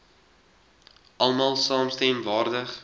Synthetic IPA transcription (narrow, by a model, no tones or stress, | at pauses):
ʔɐlˠmɑːlˠsɑːmstɛmvɑːrdəχ